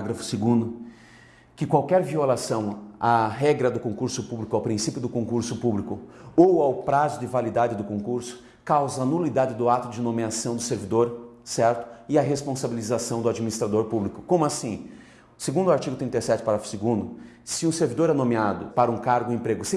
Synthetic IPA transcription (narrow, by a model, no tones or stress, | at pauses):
ɡɾɐfʊ̥seɡũd̪ʊ | kɪkwawkɛɾviolasɐ̃w̃aɦɛɡɾɐd̪ʊkõŋkuɾsʊpublikʊawpɾĩsipjʊd̪ʊkõkuɾsʊpublikʊowawpɾazʊd͡ʒɪvalid̪ad͡ʒɪd̪ʊkõkuɾsʊ̥ | kawzɐːnulid̪ad͡ʒɪd̪ʊat̪ʊd͡ʒɪnõmiasɐ̃w̃d̪ʊseɾvid̪oɾsɛɾt̪ʊ̥ɪaɦespõsabilizasɐ̃w̃d̪ʊad͡ʒiminist̪ɾad̪oɾpublikʊ̥kõmʊasĩ | seɡũd̪ʊaɾt͡ʃiɡʊt̪ɾĩnt̪ejsɛt͡ʃɪ̥paɾafʊ̥seɡũd̪ʊ | sɪũseɾvid̪oɾɛnõmiad̪ʊpaɾɐũkaɾɡʊẽpɾeɡʊs